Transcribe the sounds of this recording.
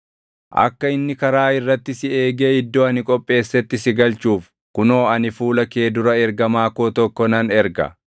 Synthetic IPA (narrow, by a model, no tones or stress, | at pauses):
ʔɐ̰kːɐɪnːɪkɐɾaːɪrːɐt̪ːɪsɪeːɡeːɪd̪ːo̞ːɐnɪkʼɔpʼːe̞ːsːɛt̪ːɪsɪɡɐlt͡ʃuːf | kʊno̞ːɐnɪfuːlɐke̞ːd̪ʊɾɐɛɾɡɐmaːkoːt̪ɔkːɔnɐnɛɾɡɐ̰